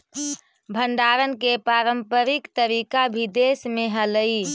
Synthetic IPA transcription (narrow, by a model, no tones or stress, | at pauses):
bʱəɳɖaːɾənkepɾaːɾəmpəɾikt̪əɾikabʱid̪esmẽɦələi